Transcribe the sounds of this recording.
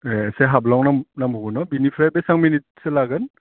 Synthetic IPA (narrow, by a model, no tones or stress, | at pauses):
eseɦablawnamnambʱuɡɯnɔbinipʰɾajbesaŋminitselaɡɯn